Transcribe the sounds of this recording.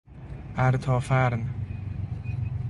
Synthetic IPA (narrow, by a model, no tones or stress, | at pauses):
ʔæɾt̪ʰɒːfæɾn